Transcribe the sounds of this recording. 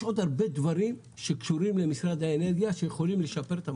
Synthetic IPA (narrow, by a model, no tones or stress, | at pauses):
o̞d̪aʁbed̪vaɾim | ʃekʃuɾimle̞misɾad̪aeneɾɡijaʃejeχo̞limleʃape̞ʁet̪a